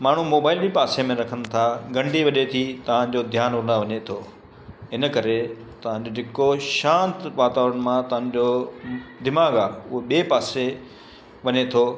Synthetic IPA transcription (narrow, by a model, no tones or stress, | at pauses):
maːɳ̤umoːbaːɪlipaːsemẽɾɐkʰənɪ̆t̪ʰaɡɐ̃ɳɖiʋɐʄet̪ʰit̪ɐʋ̤ãd͡ʑod̪ʱjaːnʊnaʋɐɲet̪ʰoː | ɦɪnə̆kɐɾe | t̪ɐʋ̤ãd͡ʑod͡ʑʱɪkoʃãːnt̪ʋaːt̪aːʋɾənɪ̆mãt̪ɐʋ̤ãɲd͡ʑo | d̪ɪmaːɡaːʊɦeɓieːpaːse | ʋɐɲet̪ʰoː